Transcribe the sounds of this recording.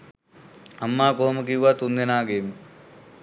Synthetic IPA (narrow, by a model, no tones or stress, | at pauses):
ɐmːaːkoːmɐk̬iʋat̪und̪ɐnaːɡeːm